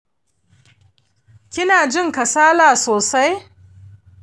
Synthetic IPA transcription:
kʲɪ˦naː˨d͡ʒɪ˦ŋkɐ˨saː˦laː˨soː˨sa˦j

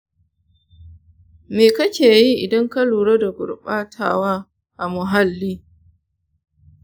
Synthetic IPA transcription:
meː˨kɐ˦kʲeː˨ji˦ʔɪ˨dɐ˦ŋka˦luː˨ɽa˦da˨ɡʷʊ̰˨ɾɓaː˦tʰa̰ː˨waː˦ | ʔa˨mʊ˨ɦa˦lːiː˦

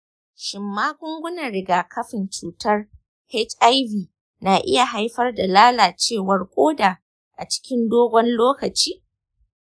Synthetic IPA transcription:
ʃɪ˨mːaː˦ɡʷʊ˦ŋɡʷʊ˦nɐ˨rɾɪ˨ɡaː˨kʰɐ˦ɸɪ˨nt͡ʃuː˨tɐ˦r | hɛ˦t͡ʃʔa˦jviː˨ | na˨ʔɪ̰˦ja˨ɦa˦jɸɐ˦rda˨laː˦laː˨t͡ʃeː˦˨wɐ˦rkʷʼoː˦daː˨ | ʔa˨t͡ʃɪ̥˦kʲɪ˦ndoː˦ɡʷɔ˦nloː˦kɐ˨t͡ʃiː˦

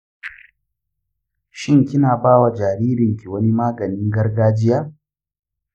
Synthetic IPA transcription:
ʃɪ˦ŋkʲɪ˦naː˨baː˦wa˨d͡ʒaː˨ɾiː˦ɾɪ˨ŋkʲi˨wɐ˦ni˦maː˦ɡɐ˨nɪ˦ŋɡɐ˦rɡaː˦d͡ʒɪ˦jaː˦

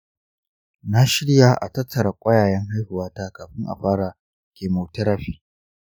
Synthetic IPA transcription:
na˦ʃɪ˦ɽja˨ʔa̰˨tɐ˦tːɐ˨ɾa˨kʷʼɐ˦jaː˨jɛ˦ŋɦa˦jhʊ˨waː˦taː˦kaː˨ɸɪ˦ŋʔa̰˨ɸaː˦ɽa˨ | kʲeː˨moː˨tɐ˦ɾa˦ɸiː˦

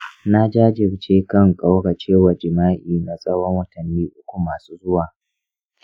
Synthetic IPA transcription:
na˦d͡ʒaː˦d͡ʒɪ˨ɾt͡ʃeː˦kɐ˦ŋkʼa˦wɽa˨t͡ʃeː˦wa˨d͡ʒɪ˨maː˦ʔiː˨na˨sʼɐ˦wɐ˦ŋwɐ˦tɐ˨nːiː˦ʔʊ˦kʷu˨maː˨suː˦zʊ˦waː˨

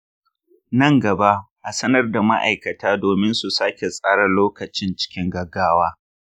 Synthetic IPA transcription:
nɐ˦˨ŋɡɐ˨ba˦ʔ | ʔa˨sɐ˦nɐ˦rda˨ma̰˦ʔa̰˨jkɐ˨taː˦doː˨mɪ˦nsu˨saː˦kʲe˨sʼaː˦ɽɐ˨loː˦kɐ˨t͡ʃɪ˦nt͡ʃɪ̥˦kʲɪ˦ŋɡɐ˨ɡːaː˦waː˦

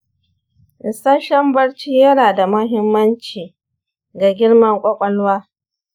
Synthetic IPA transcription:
ʔɪ˨saː˦ʃɐ˦mbɐ˦ɽt͡ʃiː˦jɐ˦ɽaː˨da˨mɐ˦ɦɪ˦mːɐ˦nt͡ʃiː˨ | ɡa˨ɡʲɪ˦ɽmɐ˦ŋkʷʼɔ˦kʷʼɔ˦lwaː˦

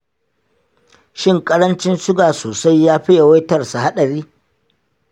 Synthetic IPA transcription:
ʃɪ˦˨ŋkʼɐ˦ɾɐ˦nt͡ʃɪ˦nsʊ˦ɡaː˨soː˨sa˦jːaː˦ɸɪ˦ja˨wa˦jtɐ˦˨rsa˨ha˦ɗɐ˨ɾiː˦

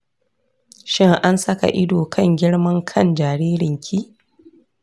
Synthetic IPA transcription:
ʃɪ˦ŋʔa˦nsɐ˦ka̰˨ʔɪ˦doː˨kʰɐ˦ŋɡʲɪ˦ɽmɐ˦ŋkʰɐ˦˨nd͡ʒaː˨ɾiː˦ɾɪ˨ŋkʲʰiː˦

